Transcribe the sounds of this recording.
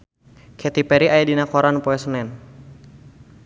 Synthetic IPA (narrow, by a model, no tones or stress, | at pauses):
kʰɛt̪ipɛɾiʔaɛdinakɔɾanpɔɛsnɛn